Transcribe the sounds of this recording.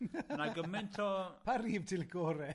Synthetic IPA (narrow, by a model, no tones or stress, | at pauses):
naɡəmɪntʰɔpʰariːv̥tʰɪlˠɡoːɾɛ